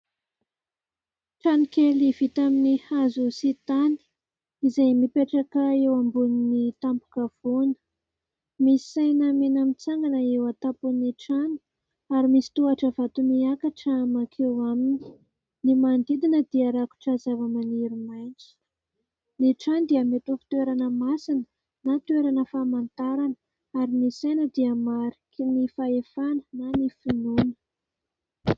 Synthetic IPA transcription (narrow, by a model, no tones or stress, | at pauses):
ʈ͡ʂanikeliv̥it̪aminihazusit̪ani̥ | izajmipeʈ͡ʂakəewambuninit̪ampu̥kav̥onə̥ | misi̥sajnəmenamit͡saŋɡanəewat̪apuniʈ͡ʂani̥ | aɾimisi̥t̪uaʈ͡ʂəvat̪umiakaʈ͡ʂəmakʰewamini̥ | nimand̪id̪inəd̪̥iaɾaku̥ʈ͡ʂazavəmaneɾimajnt͡si̥ | neʈ͡ʂand̪iəmet̪ufi̥t̪ueɾanəmasinə̥ | nat̪ueɾanəfamant̪aɾanə | aɾinisajnəd̪iəmaɾikʲinifaefanənanifinunə̥